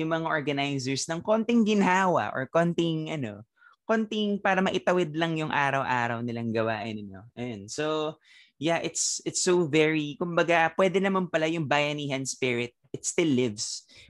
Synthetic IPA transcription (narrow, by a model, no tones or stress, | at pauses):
jʊŋmɐŋaʔoɹɡɐnajzɛɹsnɐŋkont̪ɪŋɡɪnɦaːwɐ̰ʔɔ̰ɹkont̪ɪŋʔɐno̞̰ | kont̪ɪŋpaːɾɐmɐʔɪt̪ɐwɪd̪lɐŋjʊŋʔaːɾɐwʔaːɾɐwnɪlaŋɡɐwa̰ːʔɪnɪɲo̰ʔɐjonso | jaʔɪt̪sɪt̪sovɛɹikʊmbɐɡapwɛːd̪ɛnɐmanpɐlajʊŋbajɐniːɦɐnspɪɹɪt̪̚ʔɪt̪st̪ɪlːɪvs